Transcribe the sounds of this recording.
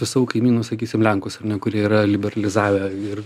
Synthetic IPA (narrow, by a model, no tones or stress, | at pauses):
sʊsɑʋoːkɐɪmʲiːnʊsɐkʲiːsʲɪmlʲɛŋkʊsɐrnʲɛkʊɾʲiɛiːɾɐlʲɪbʲɛɾɐlʲɪzɑːʋʲɛɪr